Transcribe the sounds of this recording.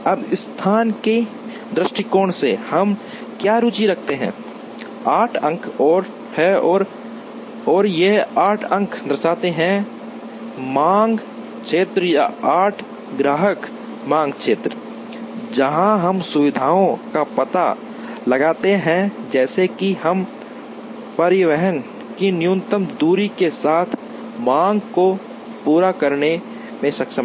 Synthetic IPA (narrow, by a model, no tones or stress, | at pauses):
ɐbɪst̪ʰaːnke | d̪ɾɪʃʈikoːɳsehɐm | kjaɾuːt͡ʃiɾɐkʰt̪eɦɛ̰̃ | aːʈʰə̃ŋkʰɔːɾ | hɛɔːɾ | ɔːɾjeɦaːʈʰə̃ŋkʰd̪ɐɾsaːt̪eɦɛ̃ | mãːŋɡ | t͡ʃʰeːt̪ɾəjaaːʈʰ | ɡɾaːɦək | mãːŋɡkʃʰeːt̪ɾə | d͡ʒəɦãɦɐmsʊʋɪd̪ʱaːõkapət̪a̰ | lɐɡaːt̪eɦɛ̃d͡ʒɛːsekihəm | pɐɾɪʋəɦən | kinɪjũnt̪əmd̪uːɾikesaːt̪ʰ | mãːŋɡko | puːɾakəɾne | mẽsɐkʃə̃m